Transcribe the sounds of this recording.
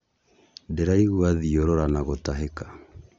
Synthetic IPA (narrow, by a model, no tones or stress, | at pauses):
dɛɾaiɣuaðioɾɔɾanaɣotaɦekḁ